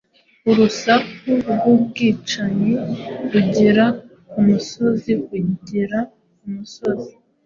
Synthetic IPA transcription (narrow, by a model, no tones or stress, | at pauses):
uɾusakuɾɡob̚ɡiːt͡ʃaɲeɾuɟiɾa | umuso̞ziuɟiɾa | umuso̞zi